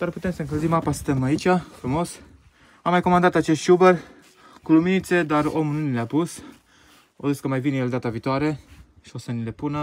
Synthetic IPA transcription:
d̪̥arpu̥t̪e̞msəɨŋkəlzimapasə̥st̪emait͡ʃʲafɾumo̞s | amːajko̞mand̪at̪at͡ʃe̞st̪ʃubər | kuluminit̪se̞d̪aro̞mununileapus | o̰ziskəmajvinejeld̪at̪aviːt̪oaɾe̞ | ʃio̞sənile̞punə

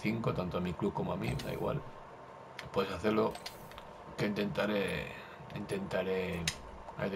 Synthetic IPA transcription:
θiŋkot̪ant̪oamiklukomoamḭma̰ḭɣwa̰l | pwesaθelo | kent̪e̞nt̪aɾe | int̪e̞nt̪aɾe | a̰jð

